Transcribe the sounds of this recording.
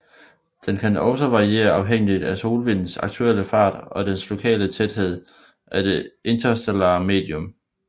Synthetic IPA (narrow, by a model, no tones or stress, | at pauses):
d̥enkʰænɒ̽ʊsɒʋɑ̈ʁie̝̰ːɐɑ̈ʊɦeŋ̰lid̥æso̝ːlʋe̝n̰n̩sɑ̈ɡ̥̚t͡sʰuel̰əfɑ̰̈ːd̥ɒ̽d̥enslo̝kʰɛ̰ːlət͡sʰed̥he̝ð̞̰ˠ | ʔæd̥e̝e̝nt͡sʰɐsd̥elɑ̈ːme̝̰ːd̥iɔm